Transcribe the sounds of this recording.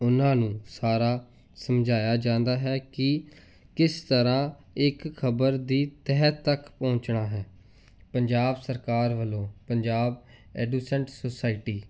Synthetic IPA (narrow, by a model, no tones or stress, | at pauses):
ʊnãːnũːsaːɾaː | səmd͡ʒʱaːjaːd͡ʒãːnd̪aːɦɛːkɪ | kɪst̪əɾãː | ɪkʰːəbəɾd̪iːt̪ɛɦət̪ːəkpɔ̃ːɲt͡ʃɳaːɦɛː | pəɲd͡ʒaːbsəɾkaːɾʋəlõːpəɲd͡ʒaːb̚ | ɛːɖuːsɛ̃ɳʈsosaːɪʈiː